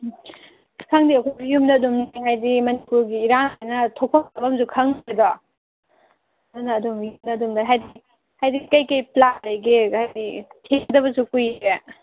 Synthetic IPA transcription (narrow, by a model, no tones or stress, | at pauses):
kʰaŋdiɐkʰojbjumdɐːdumniŋajdimɐnipuɾɡiːɾaŋajnɐtʰok̚pʰakabɐmzukʰaŋbedɔ | dunɐːdumjumdɐːdumdɐɦajdi | hajdikɐjkɐjplatlɐjɡehajditʰeŋdɐβɐsukuje